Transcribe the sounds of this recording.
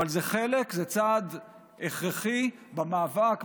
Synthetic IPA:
alzeχelekzet͡sad̪ | eχʁeχibamaːvak

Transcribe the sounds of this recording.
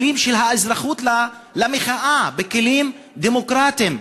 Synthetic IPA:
liːmʃelɦaʔazɾaχuːt̪l | lameχaʔabekeliːm | d̪emokɾaːt̪im

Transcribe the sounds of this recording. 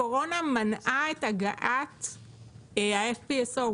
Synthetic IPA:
oʁonamanʔaetaɡaʔat | aefpieso

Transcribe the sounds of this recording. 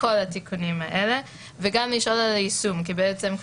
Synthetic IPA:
o̞lat̪ikunimaʔele̞ | veɡamliʃʔo̞lalaisumkibeɛt͡se̞m

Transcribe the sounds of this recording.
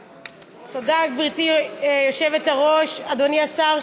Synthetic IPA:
todaɡbʁitijoʃe̞vetaʁo̞ʃad̪oniasaʁ

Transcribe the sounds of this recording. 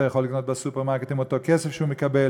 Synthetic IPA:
ajaχo̞likno̞t̪̚besupeʁmaʁket̪imot̪o̞kesefʃeumekabe

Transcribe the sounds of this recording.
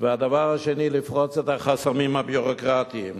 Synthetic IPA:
vead̪avaʁhaʃenilifʁot͡set̪aχasamimhabjuʁokʁat̪iim

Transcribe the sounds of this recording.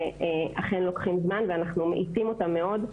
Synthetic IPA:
eaχenlo̞kχimzmanveanaχnumeʔit͡simo̞tamːe̞o̞d

